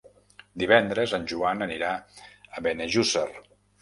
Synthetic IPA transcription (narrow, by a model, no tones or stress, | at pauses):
d̪iβɛnd̪ɾəzanʲʒuanəniɾaəβeneʒusər